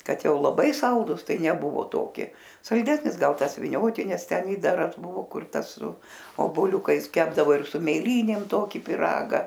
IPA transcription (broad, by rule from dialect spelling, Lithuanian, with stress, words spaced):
ˈkɐt ˈjɛʊ lˠɐˈbɐɪ ˈsɐlˠdʊs ˈtɐɪ nʲɛˈbʊʋoː ˈtoːkʲɪ sɐlʲˈdʲæːsʲnʲɪs ˈɡɐlˠ ˈtɐs ʋʲɪˈnʲoːtʲɪnʲɪs ˈtʲɛn ˈɪdɐrɐs ˈbʊʋoː ˈkʊr ˈtɐs sʊ oːboːˈlʲʊkɐɪs ˈkʲæːbdɐʋoː ɪr sʊ mʲeːˈlʲiːnʲeːm ˈtoːkʲɪ pʲɪˈrɑːɡɐ